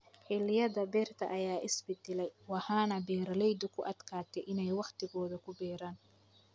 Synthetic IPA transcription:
ħɪlɪjɐðɐbɛːrt̪ʰɐ̰ʔɐjaːʔɪsbɪd̪ɪlɛjwɑħaːnɐbɛːɾɐlɛjd̪ʊkʰʊʔɐd̪̥kʰaːt̪ʰɛjʔɪnɛjwɑqt̪ʰɪɣɔːðɐkʰʊbɛːɾaːn

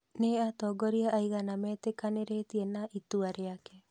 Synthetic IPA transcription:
neat̪ɔɡɔɾiaʔːiɣanamɛːt̪ekaneɾetienaʔit̪uaɾeakɛ

